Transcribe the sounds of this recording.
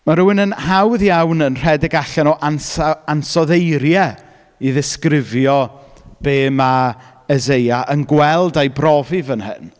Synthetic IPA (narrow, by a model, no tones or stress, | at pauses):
maɾuwɪnənhawðjawnənr̥ɛdɪɡaɬɛnɔʔansansɔðejɾjɛ | iðɪskrɪvjɔ | b̥eːma | əzejaʔənɡwɛlˠdajbrɔvivənhɨ̰n